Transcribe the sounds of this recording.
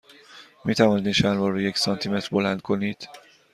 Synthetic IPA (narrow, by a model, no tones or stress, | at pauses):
miːt̪ʰævɒnd̪iʃænvɒːɾujecsɒnt̪ʰime̞t̪ɾbo̞lænd̪̚kʰo̞niːd̪̥